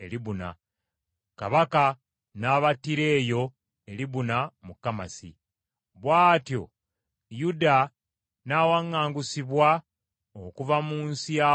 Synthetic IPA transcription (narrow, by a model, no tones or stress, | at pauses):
ḛliβuna̰ | kaβaka | naβatːiɾe̞ːjo̞ | e̞liβunamukːama̰sḭ | βwaːtjo̞̰ | juda | nawaŋːaːŋɡusiβwa | okuvamuːnsia